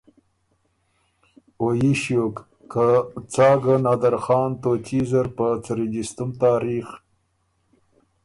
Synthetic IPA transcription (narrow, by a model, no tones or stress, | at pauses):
ojiʃjokː | at͡sɑːɡanad̪aɾxɑːnt̪ot͡ʃizaɾpət͡səɾid͡ʒist̪umt̪ɑːɾiːx